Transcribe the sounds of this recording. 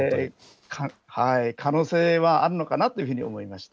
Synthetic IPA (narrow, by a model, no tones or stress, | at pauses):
kʰahaikʰano̞ːse̞ːβaʔaɾɯ̟no̞kanat̪ːoiɯ̟ɸɯ̟ɲ̟io̞̰mo̞imaɕi̥t̪a